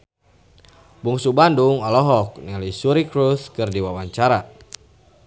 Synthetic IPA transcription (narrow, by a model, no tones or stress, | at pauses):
buŋsubanduŋɔlɔɦɔk̚nɛlisuɾikɾuθkɨrdiwawaɲt͡ʃaɾa